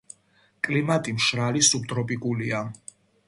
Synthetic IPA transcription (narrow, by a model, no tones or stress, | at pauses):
kʼlimat̪ʼimʃɾalisup̚t̪ʼɾɔpʼikʼulia